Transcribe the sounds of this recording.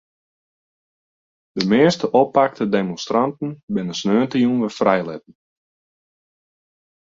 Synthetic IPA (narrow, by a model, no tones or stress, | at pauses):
d̥əmɪəstəʔɔpːak̚tədemõnstrantn̩bɪnəsnøːntəjunʋəfrɛjlɪt̚n̩